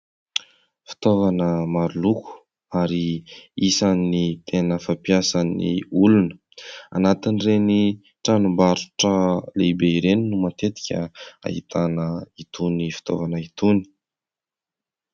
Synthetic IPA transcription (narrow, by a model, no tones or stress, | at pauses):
fi̥t̪ovanəmaɾuluku̥ | aɾiisanːit̪ʰenəfapiasanḭulunə̥ | a̰nat̪inreni | ʈ͡ʂanumbaɾuʈ͡ʂəleibeiɾeninumat̪et̪i̥kʲəa̰ɦḭt̪ʰanəit̪ʰunifi̥t̪o̰vanəit̪uni̥